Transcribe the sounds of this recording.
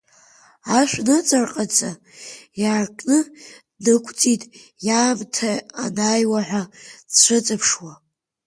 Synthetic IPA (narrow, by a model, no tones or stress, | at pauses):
aʃʷᶣnɨt͡sʼarqʼat͡sʼa | jaːrkʼnɨ | nɨkʷʰt͡sʼitʼ | jaːmtʰaːnajwaħʷat͡ɕʷʰɨt͡sʼapʰʂwa